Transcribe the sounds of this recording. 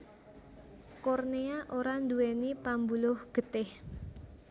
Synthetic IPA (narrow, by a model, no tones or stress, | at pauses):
kɔrneaʔoɾand̪uwenipambulʊhɡ̥ə̤t̪ɪh